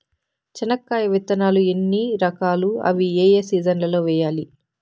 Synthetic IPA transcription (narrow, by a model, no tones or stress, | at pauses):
t͡ʃɐnɐkːaːjɐʋit̪ːɐnaːluenːiɾɐkaːluɐ̰ʋieːjeːsiːd͡ʒɐnlɐlo̞ːʋɛːjaːli